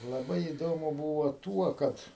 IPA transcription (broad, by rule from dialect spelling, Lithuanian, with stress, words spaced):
lˠɐˈbɐɪ iːˈdoːmʊ ˈbuːʋoː ˈtuɔ ˈkɐt